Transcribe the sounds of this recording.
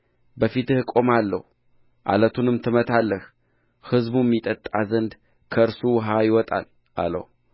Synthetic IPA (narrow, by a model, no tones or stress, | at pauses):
bəfit̪ɨhkʼo̞malːəhu | ʔa̰lət̪ʰunɨmt̪ʰɨmət̪ʰalːəh | hɨzbujɛmːit̪ʼət̪ʼːazənd̪ | kʰəɨɾsuwɦajɪwɔt̪ʼa̰l | ʔa̰lə̰hu